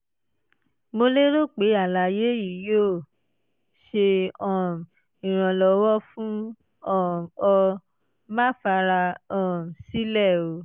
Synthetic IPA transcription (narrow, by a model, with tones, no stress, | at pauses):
mo˧le˦ɾo˦˨k͡pe˨˦a˦˨la˧˨je˨˦ji˨joː˦˨ | ʃe˧ɔ̃˦˨m̩˨ | ĩ˨ɾ̃ã˧lɔ˧wɔ˦fũ˦ | ɔ̃˦˨ɔ˧ | ma˦fa˧ɾa˧ɔ̃˦˨m̩˨si˦lɛ˦˨o˧˦